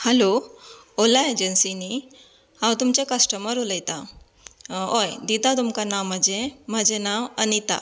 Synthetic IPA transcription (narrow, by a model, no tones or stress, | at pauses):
hɛlo | olaed͡ʑənsini | hãwt̪umt͡ɕakəsʈəməɾuləjt̪a | ojd̪it̪at̪umkanaməd͡ʑẽm̤əd͡ʑenawənit̪a̰